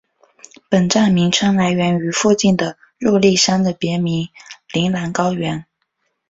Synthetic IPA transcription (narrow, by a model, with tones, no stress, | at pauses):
pə˨˩nʈ͡ʂa˥˩nmi˧˥ŋʈ͡ʂʰɤ˥ŋla˧˥ɪɥɛ˧˥ny˧˥fu˥˧t͡ɕi˥˩nd̪ə˩ | ɻu˥˧li˥˩ʂa˥nd̪ə˨pjɛ˧˥mi˧˥ŋli˧˥ŋla˧˥nkɑ˥ʊɥɛ˧˥n